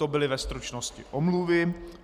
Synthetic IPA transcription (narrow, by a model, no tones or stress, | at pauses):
obɪlɪvɛst̪ɾut͡ʃnoscɪ̰ʔomluvɪ